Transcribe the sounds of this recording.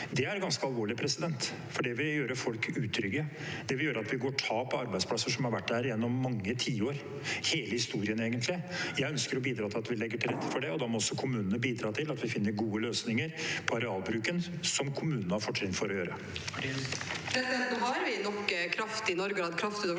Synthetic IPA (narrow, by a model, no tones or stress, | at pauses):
d̪ɛæɾɡɑnskəɑlʋoːɭɪpʰɾɛsɪd̪ɛnt̪ | fɔɖɛʋɪljøːɾəfɔlkʉːt̪ʰɾʏɡə | d̪̥ɛʋɪljøːɾəɑt̪ʋɪɡoːʈʰɑːpʰɔɑɾbæɪspʰlɑsəʂɔmhɑɾʋæʈːd̪æɾjɛnːɔmːɑŋːət̪ʰiːoːɾ | heːləhɪst̪uːɾɪəneːɡənt̪ʰlɪjæɪœnskəɾɔbiːd̪ɾɑːt̪ʰɪlɑt̪ʋɪlɛɡːəʈʰɪlɾɛt̪ːəfɔɖɛɔd̪ɑmɔɔsːɔkʰʊmʉːnənəbiːd̪ɾɑːt̪ʰɪlɑt̪ʋɪfɪnːəɾɡuːəløːsnɪŋəɾpʰɔɑɾɛɑːlbɾʉːkən | sɔmkʰʊmʉːnənəhɑɾfɔʈʂɛnt̪fɔɾɔjøːɾə | pʰɾɛsɪd̪ɛnt̪n̩ɦɑɾʋɪnɔkːkʰɾɑft̪ɪnɔɾɡəɾɑd̪kʰɾɑft̪ɪn